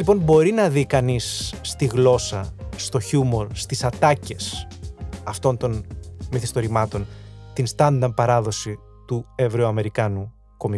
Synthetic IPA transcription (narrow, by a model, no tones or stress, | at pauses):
lipo̞nbo̞ɾinɐðikɐnisːt̪iɣlo̞sɐst̪o̞çumo̞ɾst̪isɐt̪ɐce̞s | ɐft̪o̞nt̪o̞nmiθist̪o̞ɾimɐt̪o̞nt̪inst̪ɐnd̪ɐn̚pɐɾɐðo̞si | t̪ue̞vɾeoɐme̞ɾikɐnu | ko̞mi